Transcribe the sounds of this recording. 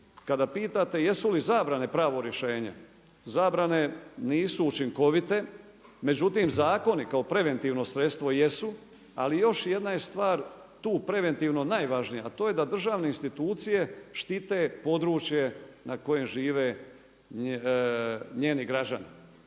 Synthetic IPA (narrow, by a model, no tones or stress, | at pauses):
kad̪apiːt̪at̪e̞je̞sulizaːbɾane̞pɾaːʋo̞ɾjeʃe̞ːɲḛ | zaːbɾane̞niːsuːt͡ʃiŋko̞ʋit̪e̞ | me̞d͡ʒut̪imzaːko̞nikao̞pɾe̞ʋe̞nt̪iːʋno̞sɾe̞t̪st̪ʋo̞je̞su | a̰lijo̞ʃje̞d̪najest̪ʋaːɾ | t̪uːpɾe̞ʋe̞nt̪iːʋno̞naːjʋaʒnijaːt̪o̞ːje̞d̪ad̪r̩ʒaːʋne̞inst̪it̪uːt̪sije̞ʃt̪it̪e̞po̞d̪ɾuːt͡ʃjenʔako̞je̞mʒiːʋe̞ | ɲe̞ːniɡɾad͡ʑa̰ni